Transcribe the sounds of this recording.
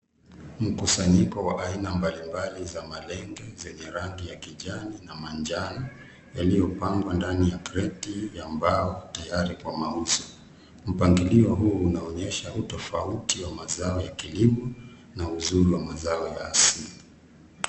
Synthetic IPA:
m̩kusaɲikɔwaʔainambalimbalizamalɛŋɡɛzɛɲɛɾaŋɡijakiʄaninamaɲd͡ʒana | jalijɔpaŋɡwandanijakɾɛtijambaɔtajaɾikwamauzɔ | m̩paŋɡiliɔɦuːunaɔɲɛʃautɔfautiwamazaɔjakilimɔ | nauzuɾiwamazaɔjaːsili

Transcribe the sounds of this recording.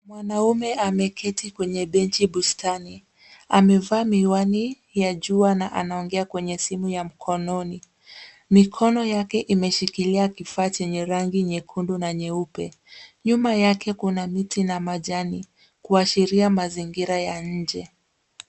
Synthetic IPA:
mwanaumɛamɛkʰɛtikwɛɲɛɓɛnt͡ʃiɓustʰani | amɛvaːmiwani | jaʄuanaʔa̰naɔŋɡɛakwɛɲɛsimujam̩kʰɔnɔni | mikʰɔnɔjakɛʔimɛʃikiliakifaːt͡ʃɛɲɛɾaŋɡiɲɛkʰundunaɲɛupɛ | ɲumajakʰɛkunamitinamaʄani | kuaʃiɾiamaziŋɡiɾajaɲ̩d͡ʒɛ

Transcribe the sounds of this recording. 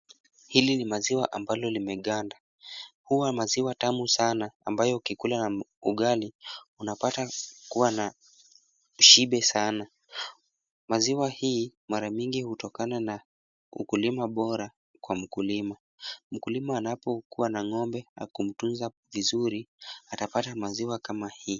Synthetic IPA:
hilinimaziwaʔambalɔlimɛɠanda | huwamaziwatamusana̰ːmbajɔkikulanauɠaliunapatakuwana | ʃiɓɛsana | maziwahiːmaɾaɲiŋɡihutɔkanana | ṵkulimaɓɔɾa | kwam̩kulima | m̩kulimaːnapɔkuwanaŋɔmbɛa̰kum̩tunza | vizuɾiatapatamaziwakamahiː

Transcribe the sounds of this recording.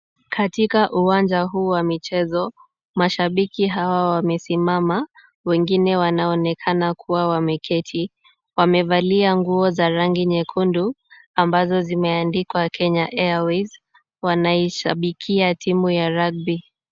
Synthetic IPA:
kʰatikaʔuwand͡ʒaɦuːwamit͡ʃɛzɔ | maʃaɓikiɦawawamɛsimama | wɛŋɡinɛwanaɔnɛkʰanakʰuwawamɛkʰɛtʰi | wamɛvaliaŋɡuɔzaɾaŋɡiɲɛkʰundu | ambazɔzimɛandikwakʰɛɲaʔɛawiz | wanaiʃaɓikʰiatʰimujaɾaɡ̚bi

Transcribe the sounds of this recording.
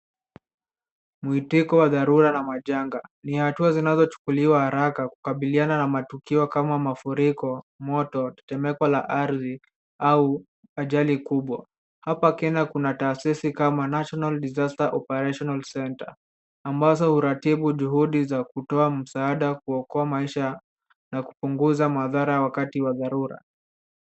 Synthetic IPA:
muhitikɔwaðaɾuɾanamaʄaŋɡanihatuazinazɔt͡ʃu̥kuliwahaɾakaku̥kaɓiliananamatukiɔkamamafuɾikɔ | mɔtɔtɛ̥tɛmɛkwalaʔaɾði | au | aʄalikuɓwa | hapakɛɲakunataːsisikamanaʃɔnaldizastaʔɔpɛɾaʃɔnalsɛnta̰ː | mbazɔhuɾatiɓuʄuhuɗizakutɔam̩saaɗakuɔkɔamaiʃa | naku̥puŋɡuzamaðaɾawakatiwaðaɾuɾa̰

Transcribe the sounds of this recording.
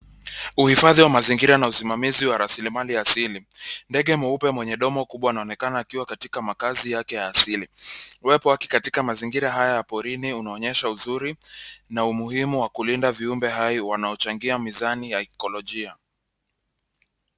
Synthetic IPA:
uhifaðiwamaziŋɡiɾanausimamiziwaɾasilimaliaːsilindɛɠɛmuupɛmwɛɲɛɗɔmɔkuɓwaunaɔnɛkanaːkiwakatikamakazijakɛjaːsiliwɛpɔwakɛ̥katikamaziŋɡiɾaɦajajapɔɾiniunaɔɲɛʃauzuɾinaumuhimuwakulindaviumbɛɦaiwanaɔt͡ʃaŋɡiamizanijaikɔlɔʄia

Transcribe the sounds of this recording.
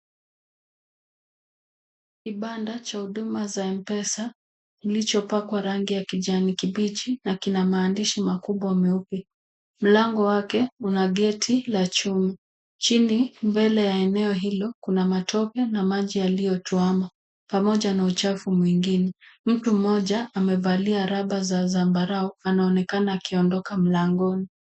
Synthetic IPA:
kiɓandat͡ʃahuɗumazaɛmpɛsa | nilit͡ʃɔpakwaɾaŋɡijakiʄanikiɓit͡ʃinakinamaːndiʃimakuɓwamɛupi | m̩laŋɡɔwakɛunaɠɛtʰilat͡ʃumi | t͡ʃinimbɛlɛjaɛnɛɔɦilɔkunamatʰɔkɛnamaʄialijɔtuama | pamɔʄanaut͡ʃafumwiŋɡinɛm̩tum̩ɔʄaːmɛvaliaɾaɓazazambaɾaɔanaɔnɛkanaːkiɔndɔkam̩laŋɡɔni

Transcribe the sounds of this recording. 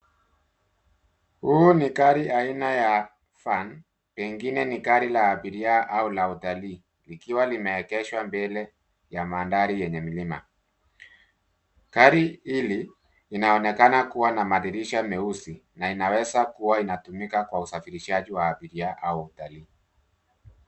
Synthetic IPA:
huunikaɾiainaja | fan | pɛŋɡinɛnikaɾilaːɓiɾiaʔaulautaliː | likiwalimɛːkɛʃwambɛlɛ | jamandaɾijɛɲɛmilima̰ | kaɾihiliː | naɔnɛkanakuwanamaðiɾiʃamɛusinainawɛzakuwainatumikakwausafiɾiʃaʄiwaːɓiɾiaʔauautaliː

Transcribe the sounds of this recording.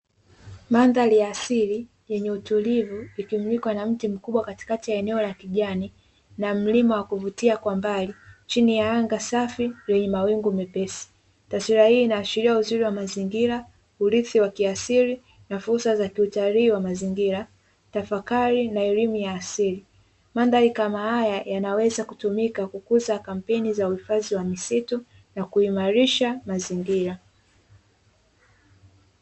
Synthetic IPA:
manðalijaːsiɾi | jɛɲɛutulivuikimɲikwanam̩tim̩kuɓwakati̥katijaɛnɛɔlakiʄani | nam̩limawakuvutiakwambalit͡ʃinijaaŋɡasafijɛɲɛmawiŋɡumɛpɛsi̥ | tasiɾahiːnaːʃiɾiauziɾiwamaziŋɡiɾa | uɾiθiwakiasiɾi | nafuɾsazakiutaliːwamaziŋɡiɾa | tafakaɾinaɛlimujaːsiɾi | mandaikamahajajanawɛzakutumikakukuzakam̩pɛnizauhifaziwamisitɔ | nakuimaɾiʃamaziŋɡiɾa

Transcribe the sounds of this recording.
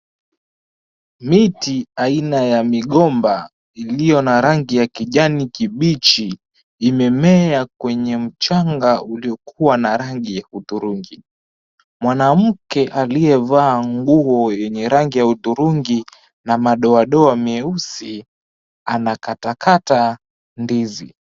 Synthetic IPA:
mitiainajamiɠɔmba | ilijɔnaɾaŋɡijakiʄanikiɓit͡ʃi | imɛmɛakwɛɲɛm̩t͡ʃaŋɡauliɔkuwanaɾaŋɡijautuɾuŋɡi | mwanam̩kɛʔaliɛvaːŋɡuɔjɛɲɛɾaŋɡijautuɾuŋɡi | namaɗɔaɗɔamiɛusi | anakatakʰata | ndizḭ

